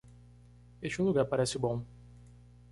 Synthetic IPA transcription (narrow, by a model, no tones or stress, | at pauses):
eʃt͡ʃɪũluɡaɾpaɾɛsɪbõ